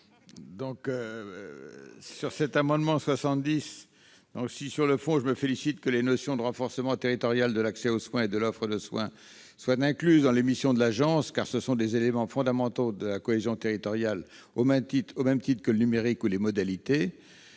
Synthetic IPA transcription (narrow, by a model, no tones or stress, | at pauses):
d̪ɔ̃kø | syʁsɛt̪amɑ̃d̪mɑ̃swasɑ̃t̪d̪is | d̪̥ɔ̃ksisyʁləfɔ̃ʒəməfelisit̪kəlenɔsjɔ̃d̪əʁɑ̃fɔʁsəmɑ̃t̪eʁit̪ɔʁjald̪əlaksɛoswɛ̃ed̪əlɔfχəd̪əswɛ̃ | swat̪ɛ̃klyzd̪ɑ̃lemisjɔ̃d̪əlaʒɑ̃skaʁsəsɔ̃d̪ezelemɑ̃fɔ̃d̪amɑ̃t̪od̪əlakɔezjɔ̃t̪eʁit̪ɔʁjal | omɛmt̪iomɛmt̪it̪χkələnymeʁikulemɔd̪alit̪e